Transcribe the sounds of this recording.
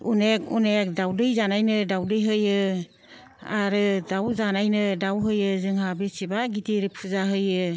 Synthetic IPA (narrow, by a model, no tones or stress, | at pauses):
unekunek̚dawdɯjzanajnɯdawdɯjɦɯjɯ | aɾɯdawzanajnɯdawɦɯjɯzɯŋɦabesibaɡitiɾip̚ʰuzaɦɯjɯ